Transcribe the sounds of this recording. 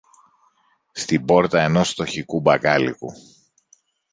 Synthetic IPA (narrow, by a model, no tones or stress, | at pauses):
st̪ibo̞ɾt̪ɐe̞no̞st̪o̞çikubɐɡɐlḭku